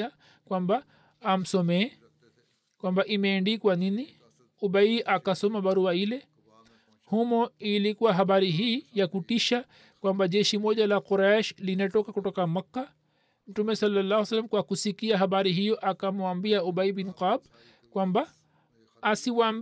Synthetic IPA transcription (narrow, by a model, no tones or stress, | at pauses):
a | kwambaː | m̩sɔmɛː | kwambaʔimɛːndikwanini | ubaiʔakasɔmabaɾuailɛ | humɔilikuwaɦaɓaɾiɦiːjakutiʃa | kwambaʄɛʃimɔʄalaquɾaʃlinatɔkakutɔkamakːa | m̩tumɛsɔlːalːahwsalːamkwakusikiaɦaɓaɾiɦijɔʔakamuambiaubaibinqab | kwambaː | siwaːm